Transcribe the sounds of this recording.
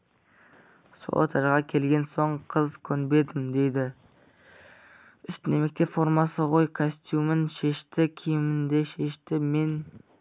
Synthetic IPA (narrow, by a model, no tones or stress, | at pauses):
so̰o̰t̪ʰɑɾʁɑkʲʰe̞lɡʲe̞nsoɴqʰəzkʲʰɵnbe̞d̪ɪmd̪e̞jd̪ɪ | ʏst̪nemek̚ʲt̪ʰe̞fo̞ɾmɑsəʁojkʰosʲt̪jumɪnʃe̞ʃt̪ɪkʲʰijɪmɪnd̪e̞ʃe̞ʃt̪ɪme̞n